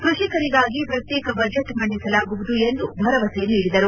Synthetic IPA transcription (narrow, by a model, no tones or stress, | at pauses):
kɾuʂikɐɾiɡaːɡipɾɐt̪jɛːkɐbɐd͡ʒeʈmɐɳɖisɐlaːɡuʋud̪ue̞nd̪ubʱɐɾɐʋɐseniːɽid̪ɐɾu